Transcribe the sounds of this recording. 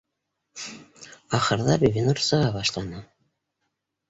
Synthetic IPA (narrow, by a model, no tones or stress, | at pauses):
ɑχɤ̆ɾðɑɾvʲinursɤ̆ʁɑbɑʃlˠɑnɤ